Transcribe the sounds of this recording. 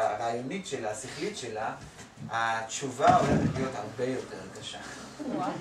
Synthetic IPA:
ʁaːjonitʃe̞laasiχlitʃela | at͡ʃuvao̞leχetlijo̞thaʁbe̞jo̞te̞ʁɡaʃa

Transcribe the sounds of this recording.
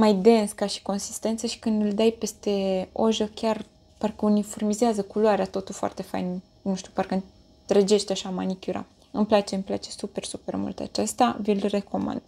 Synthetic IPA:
majd̪e̞nskaʃi̥ko̞nsi̥st̪e̞nt̪səʃi̥kɨnd̪ɨld̪ajpe̞st̪e̞o̞̰ʒəkʲar | parkəunifo̞rmizeazəkuloaɾeat̪o̞t̪ulfoa̰rt̪e̞fa̰jn | nuʃt̪upaɾrkəɨn | t̪ɾed͡ʒe̞ʃt̪aʃamanikʲuɾa̰ | ɨmplat͡ʃe̞ɨmpla̰t͡ʃe̞supe̞rsupe̞rmṵlt̪a̰t͡ʃe̞st̪avilre̞ko̞ma̰nd̪

